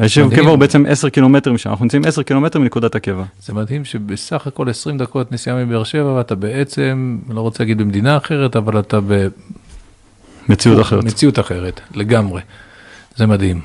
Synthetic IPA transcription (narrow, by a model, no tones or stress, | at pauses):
aeʃevakevaubeet͡se̞mʔeseʁkilo̞met̪emiʃa̰naχunt͡saimeseʁkilo̞me̞t̪eminekud̪atakevaz̥emad̪himʃebesaχako̞le̞sʁimd̪ako̞t̪nesijamibeeʁʃe̞vaveatabeet͡se̞mlo̞ʁot͡selaɡid̪̚bemd̪inaːχe̞ʁetavalat̪abe | met͡siutaχeʁemet͡siut̪aχeʁet̪le̞ɡamʁe | zemad̪ɦim